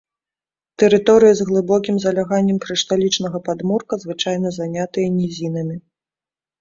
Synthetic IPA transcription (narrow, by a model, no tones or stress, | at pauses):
t̪ɛɾɨt̪ɔɾɨjɐzɣlˠɨbɔkʲimzɐlʲaɣanʲːɛmkɾɨʂt̪alʲit͡ʂnɐɣɐpad̪murkɐzvɨt͡ʂajn̪ɐzanʲat̪ɨjɐnʲizʲinɨmʲi